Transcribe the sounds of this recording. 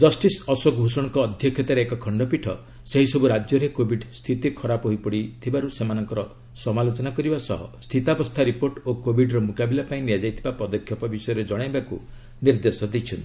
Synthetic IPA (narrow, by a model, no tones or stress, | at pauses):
d͡ʒɔsʈisɔsɔkbʱusɔɽ̃ɔkɔːd̪ʱjɔkʰjɔt̪aɾeekɔkʰɔɳɖɔpiʈʰɔ̰ | seɦisɔbuɾad͡ʒjɔɾekobʱiɖst̪ʰit̪ikʰɔɾapɦojpɔɽit̪ʰibaɾusemanɔŋkɔɾɔ | sɔmalot͡ʃɔnakɔɾibasɔɦɔ̰st̪ʰit̪abɔst̪ʰaɾipoɾʈokobʱiɖɾɔmukabilapaĩniad͡ʒajt̪ʰibapɔd̪ɔkʰːjɔpɔbisɔjɔɾed͡ʒɔɽ̃ajbakṵ | niɾd̪esɔd̪it͡ʃʰɔnt̪i